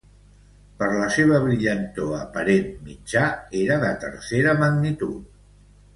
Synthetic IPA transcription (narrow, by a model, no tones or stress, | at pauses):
pəɾləseβ̞əβɾiʎənt̪oəpəɾenmid͡ʒaeɾəðət̪ə̰ɾseɾəməɡnit̪ṵt̪̚